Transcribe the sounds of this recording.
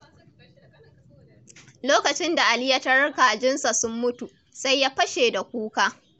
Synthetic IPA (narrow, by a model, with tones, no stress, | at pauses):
loː˦kɐ˨t͡ʃɪ˦nda˨ʔa˨lɪ˦ja˦ta˦ɽɐ˦ka˨ʔa˨d͡ʒɪ˦nsa˨sʊ˦mːʊ˦tu˨ | sa˦jːaː˦ɸɐ˦ʃeː˨da˨kʷuː˦kaː˦